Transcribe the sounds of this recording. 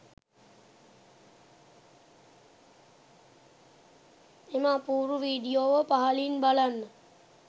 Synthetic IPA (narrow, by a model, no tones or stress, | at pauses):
emapuːɾuʋiːɖijoːʋəpaɦalinbalanːə